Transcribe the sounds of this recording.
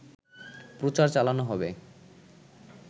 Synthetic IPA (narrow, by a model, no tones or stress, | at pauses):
pɾot͡ɕaɾt͡ɕalanoɦɔbe